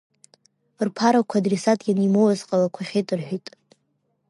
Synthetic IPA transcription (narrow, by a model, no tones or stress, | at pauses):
rpʰaɾakʷʰaːdresatʼɡʲanimowazqʼalakʷʰaχʲejtʼɨrħʷᶣitʼ